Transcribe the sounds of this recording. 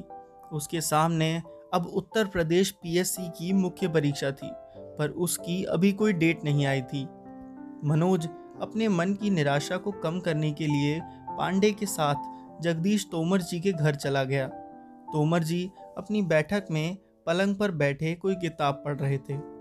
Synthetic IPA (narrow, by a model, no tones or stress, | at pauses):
ʊskesaːmneɐbʊt̪ːəɾpɾɐd̪eːʃpiːɛːsikimʊkʰjəp̬ɐɾiːkʃat̪ʰḭːpɐɾʊskiɐ̰bʱikoːiɖeːʈnɐɦĩaːit̪ʰiː | mɐnoːd͡ʒ | ɐpnemɐnkinɪɾaːʃakokɐmkɐɾnekelie | pã̰ːɳɖekesaːt̪ʰ | d͡ʒɐɡd̪iːʃt̪oːməɾd͡ʒiːkeɡʱɐɾt͡ʃɐlaɡɐjaː | t̪oːməɾd͡ʒiːɐpnibɛːʈʰəkmẽ | pɐlə̃ŋɡ̚pɐɾbɛːʈʰekoːik̬ɪt̪aːb̚pɐɽɾɐɦet̪ʰeː